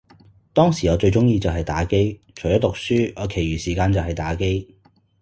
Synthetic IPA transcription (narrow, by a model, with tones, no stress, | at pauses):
t̪ɔː˥ŋsi˨˩ŋɔː˨˧t͡ʃɵ˧ɥt͡ʃʊ˥ŋjiː˧t͡sɐ˨wɦɐ˨jt̪aː˨˥ke˥jt͡ʃʰɵ˨˩jɔː˥t̪ʊ˨k̚syː˥ɔː˨˧kʰe˨˩jɥyː˨˩siː˨˩kaː˧nt͡sɐ˨wɦɐ˨jt̪aː˨˧˥ke˥j